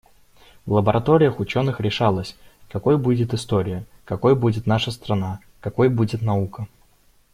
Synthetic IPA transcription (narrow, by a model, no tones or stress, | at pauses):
vlˠəbəɾʔɐt̪oɾʲɪjəxʊt͡ɕonɨxɾʲɪʂalˠəsʲkɐko̞jbudʲɪt̪ɨst̪o̞ɾʲɪjə | kɐkojbudʲɪt̪naʂəst̪ɾɐna | kɐko̞jbudʲɪt̪nɐukə